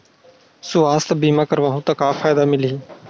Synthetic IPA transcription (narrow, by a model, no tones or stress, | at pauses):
sʊaːst̪biːmaːkəɾʋaːɦũːt̪ãːkaːfʰaːjd̪aːmɪliː